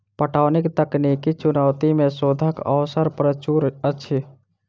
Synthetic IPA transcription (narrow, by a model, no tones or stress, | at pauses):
pəʈʰaːnɪkt̪əknikit͡ʃʊnəʊt̪imẽsoːd̪ʱəkə̰ʊsəɾpɾət͡ʃuːɾətːʃʰi